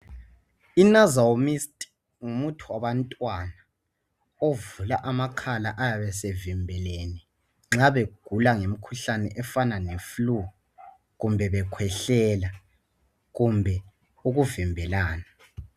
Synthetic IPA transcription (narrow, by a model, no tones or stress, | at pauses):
inazawomistʼi̥ | ŋumutʰuwaβantʼwana | ovulaʔamakʰalaʔajaβɛs̬evimbʱɛleni | ŋ͡ǁaβeɡ̥ʱulaŋem̩kʰuɬanɛ̰ʔɛfananeflu | ɣumbʱɛβɛkʰwɛɬɛla | ɣumbʱɛ | uɣuvimbʱɛlaːna